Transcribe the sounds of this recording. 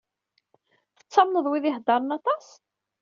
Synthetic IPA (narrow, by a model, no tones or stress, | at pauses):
θə̥t͡sːɑmnəðˤwiðihd̪ːɑɾˤənɑt̪ˤɑs